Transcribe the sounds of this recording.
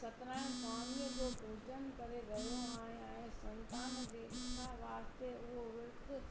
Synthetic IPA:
sɐt̪ɾãːkaːniːəd͡ʑoːbʱuːt͡ʃənkɐɾeɾɐɦijõaːɦ | ɛ̃ːsɐ̃nt̪aːnd͡ʑeːɪãʋaːɾst̪eʊɦoʋɪɾd̪

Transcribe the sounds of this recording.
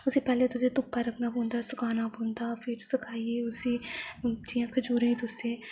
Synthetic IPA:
ʊsepɛːlet̪ʊset̪ʊpːaɾɐkʰnabõːnd̪aːsʊkʰaːnabõːnd̪aːfɪɾsɪkʰaːieːʊsi | d͡ʒijãːkʰəd͡ʒuːɾẽĩt̪ʊseː

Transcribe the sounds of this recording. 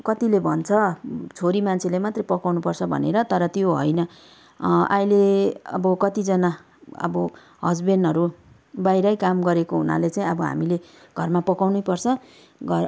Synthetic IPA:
kʌt̪ilebʱʌnt͡sʰʌt͡sʰoɾimant͡sʰelemat̪repʌkawnupʌrt͡sʰʌbʱʌ̰neɾʌt̪ʌɾʌt̪joɦʌ̰jnʌ | ʔajleʌ̰bʌkʌt̪id͡zʌna | ʌ̰bʌ | ɦʌd͡zbenʌɾu | bajɾʌjkamɡʌɾekoɦṵna̰let͡saĩʌbʌɦa̰mile | ɡʱʌrmapʌkawnujpʌrt͡sʰʌ | ɡʌ

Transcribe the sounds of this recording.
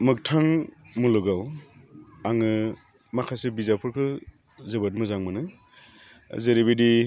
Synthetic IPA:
mɯk̚tʰaŋmuluɡaw | aŋɯ | makʰasebizapʰɯɾkʰɯ | zɯbɯt̚mɯzaŋmɯnɯ | zeɾebedi

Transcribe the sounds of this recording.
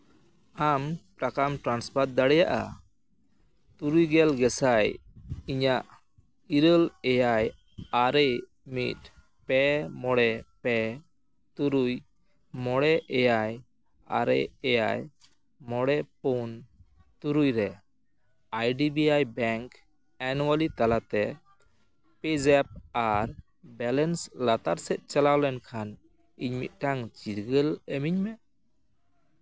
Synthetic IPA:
ampɾakamʈɾanspaɾt̪̚d̪aɽɛjaʔa̰ | t̪uɾujɡɛlɡɛsajiɲaʔ | iɾəlɛjaj | aɾɛj | mit̪̚ | pɛmɔɽɛpɛ | t̪uɾuj | mɔɽɛʔɛjaj | a̰ɾɛ̰jɛja̰j | mɔɽɛpɔn | t̪uɾujɾɛ | ajɖibiajbɛŋk | ɛnwalit̪alat̪ɛ | pid͡ʒɛp̚aɾ | bɛlɛnslat̪aɾsɛt̪̚ˀt͡ʃalawlɛnkʰan | iɲmḭt̪̚ˀʈaŋt͡ʃiɾɡəlɛmiɲmɛ

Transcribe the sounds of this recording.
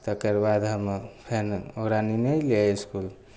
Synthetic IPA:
t̪əkəɾbad̪ɦəmpʰenokɾaninəjleiskul

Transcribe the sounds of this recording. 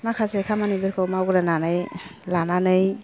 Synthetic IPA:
makʰasekʰamanibeɾkʰawmawɡɾananɯjlananɯj

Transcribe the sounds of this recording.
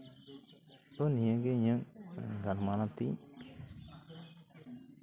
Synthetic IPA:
onieɡeɲəŋmḛŋɡalmalatḭɲ

